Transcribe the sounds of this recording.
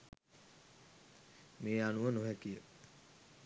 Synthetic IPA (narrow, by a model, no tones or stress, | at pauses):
meːanuʋənoɦækijə